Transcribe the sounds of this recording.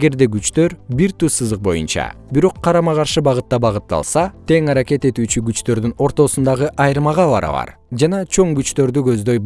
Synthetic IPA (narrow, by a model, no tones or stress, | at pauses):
eɡe̞ɾd̪e̞ɡyt͡ʃt̪ø̞ɾbiɾt̪ysɯzɯq̚bo̞̰jṵnt͡ʃɑ̰biɾo̞qʰːɑɾɑmɑʁɑɾʃɯbɑʁɯt̪ːɑbɑʁɯt̪ːɑ̰lˠsɑt̪e̞ŋɑɾɑke̞t̪e̞t̪yːt͡ʃyɡyt͡ʃt̪ø̞ɾd̪yno̞ɾt̪o̞sund̪ɑʁɯʔɑjɾmɑʁɑbɑ̰ɾɑ̰βɑ̰ɾ | d͡ʒɑnɑt͡ʃʰo̞ŋɡyt͡ʃt̪ø̞ɾd̪yɡø̞zd̪ø̞j